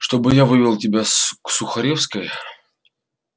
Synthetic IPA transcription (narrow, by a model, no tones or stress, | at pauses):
ʂt̪o̞bɨjavɨvʲɪlˠtʲɪbʲasksʊxɐɾʲefskəj